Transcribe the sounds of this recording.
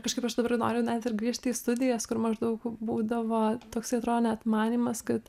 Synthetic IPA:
kɐʃkɐɪpɐʃd̪ɐbɐɾno̰ːɾʲjɛʊnʲɛt̪ɪrɡɾʲiɛʃt̪ʲiːst̪ʊd̪ʲɪjɛskʊɾmɐʒd̪ɐʊkbuːd̪ɐʋoːt̪oːksɐɪɐt̪ɾoːd̪oːnʲɛt̪mɑːnʲiːmɐskɐt̪

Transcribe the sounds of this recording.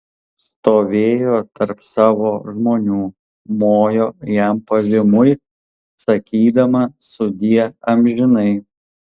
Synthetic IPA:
st̪oːʋʲeːjoːt̪ɐɾpsɑːʋoːʒmoːnʲuː | moːjoːjæmpɐʋʲɪmʊj | sɐkʲiːd̪ɐmɐsʊd̪ʲiɛɐmʲʒʲɪnɐɪ

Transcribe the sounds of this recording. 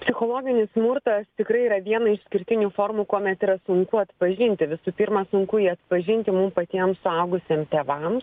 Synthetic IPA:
pʲsʲɪxoːlˠoːɡʲɪnʲɪssmurt̪ɐst̪ʲɪkɾɐɪiːɾɐʋʲiɛnɐɪʃsʲkʲɪɾʲt̪ʲɪnʲuːfoːrmuːkuɔmʲɛt̪iːɾɐsʊŋkʊɐt̪pɐʒʲɪnʲt̪ʲɪʋʲɪsuːpʲiːrmɑsʊŋkʊiːɐt̪pɐʒʲɪnʲt̪ʲɪmumpɐt̪ʲiɛmsʊɐʊɡʊsʲeːmt̪ʲeːʋɐm

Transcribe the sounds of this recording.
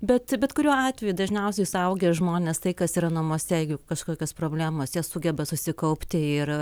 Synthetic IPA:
bʲɛt̪bʲɛt̪kʊɾʲuːɑːt̪ʲʋʲɛjud̪ɐʒʲnʲɛʊsʲɛjɪsɐʊɡʲɛʒmoːnʲeːst̪ɐɪkɐsiːɾɐnɐmoɔsʲɛɛɪɡʲʊkɐʃkoːkʲoːspɾoːbʲlʲæːmoːsjiɛsʊɡʲɛbɐsʊsʲɪkɐʊpʲt̪ʲɪɪr

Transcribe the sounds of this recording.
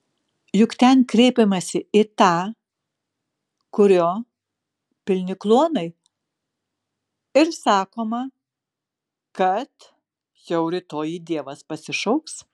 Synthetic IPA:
jʊkt̪ʲɛnkɾʲɛɪpʲɛmɐsʲɪɪt̪ɑː | kʊɾʲoː | pʲɪlʲnʲɪklˠuɔnɐɪ | ɪɾsɑːkoːmɐ | kɐt̪ | jɛʊɾʲɪt̪oːjid̪ʲiɛʋɐspɐsʲɪʃɐʊks

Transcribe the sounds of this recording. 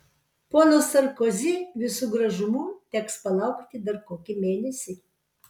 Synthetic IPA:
poːnoːsɐɾkozʲɪʋʲɪsuːɡɾɐʒʊmuːt̪ʲɛkspɐlˠɐˑʊkt̪ʲɪd̪ɐɾkoːkʲɪmʲeːnʲɛsʲɪ

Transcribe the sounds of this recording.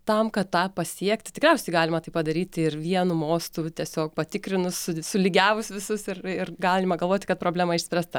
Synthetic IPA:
t̪ɐmkɐt̪tɑːpɐsʲiɛkt̪ʲɪtʲɪkɾʲɛʊsʲɛɪɡɑːlʲɪmɐt̪ɐɪpɐd̪ɐɾʲiːt̪ʲɪrʋʲiɛnumoːst̪uːt̪ʲiɛsʲoːk̚pɐt̪ʲɪkɾʲɪnʊssʊsʊlʲɪɡʲæːʋʊsʋʲɪsʊsɪrɪrɡɑːlʲɪmɐɡɐlˠʋoːt̪ʲkɐt̪pɾoːblʲæːmɐɪʃsʲpʲɾʲæːst̪ɐ

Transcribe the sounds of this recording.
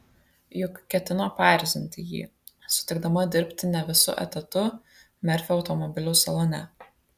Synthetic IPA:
jʊkkːʲɛt̪ʲɪnoːpɑːˑɾʲzʲɪnʲt̪ʲɪjḭː | sʊ̥t̪ʲɪɡd̪ɐmɐd̪ʲɪɾʲpʲt̪ʲɪnʲɛʋʲɪsʊ̰ʔɛ̰t̪ʲɐt̪ʊ | mʲɛɾʲfʲɛɒʊt̪ɔmɔbʲɪlʲɛʊsɐlˠɔnʲɛ

